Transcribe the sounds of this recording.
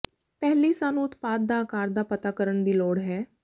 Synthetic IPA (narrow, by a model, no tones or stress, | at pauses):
pɛːliːsaːnũːʊt̪paːd̪̚d̪aːkaːɾd̪aːpət̪aːkəɾəɳd̪iːlɔːɽɦɛː